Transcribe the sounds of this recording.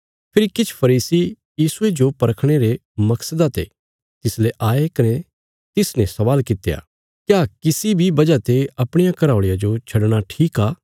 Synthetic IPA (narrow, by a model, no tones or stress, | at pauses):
pʰɪɾikɪt͡ʃʰpʰɐɾiːsi | jiːsued͡ʒopɐɾəkʰɽ̃eɾe | mɐksəd̪at̪ḛ | t̪ɪsleʔaːekɐne | t̪ɪsnɛ̃sɐʋaːlkɪt̪eja̰ː | kjaːkɪsibʱibɐd͡ʒat̪eɐpɽ̃ɪjakɐɾaːʊɭejad͡ʒot͡ʃʰɐɽɽ̃aʈʰiːkaː